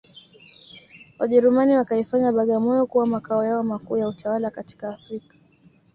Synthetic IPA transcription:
waʄɛɾumaniwakaifaɲaɓaɠamɔjɔkuwamakaɔjaɔmakuːjautʰawalakati̥kaːfɾikḁ

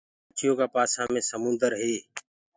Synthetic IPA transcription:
t͡ʃʰɪjõːkaːpaːsãːmẽːsəmʊ̃nd̪əɾɦeː

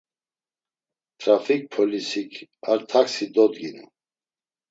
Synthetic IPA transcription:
t̪ʰɾafik̚pʰɔlisikʰaɾt̪ʰaksid̪ɔd̪ɡinṵ

